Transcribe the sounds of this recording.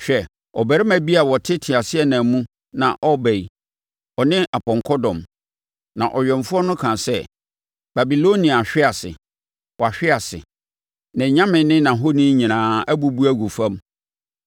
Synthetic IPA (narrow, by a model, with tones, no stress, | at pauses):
ɕᶣɛ˨ | ɔ˨bæ˨ɾɪ˦mã˨bi˦a˨wɔ˨tʰɪ˦tʰɪ˨a˨sɪ˦ɛ˨nã˨mũ˦ | nã˨ʔɔ˦bɛ˨i˨ | ɔ˨nɪ̃˦ʔa˨pɔ̃˨ŋkʰɔ˦dɔ̃˨m | nã˨ʔɔ˨ɥᶣɛ˨ɱfʊ˦ɔ˦nʊ̃˦kʰã˨sɛ˦ | b̥a˨bi˨lo˦nĩ˨a˨ɕᶣɪ˦a˨sɪ̰˨ | wɔ˨a˨ɕᶣɪ˦a˨sɪ̰˨ | nã˨ɲã˦mɪ̃˨nːɪ̃˦nã˨ɦo˦nĩ˦ɲĩ˨nãː˨˦æ˦bu˨bu˦æ˦ɡu˨fã˦m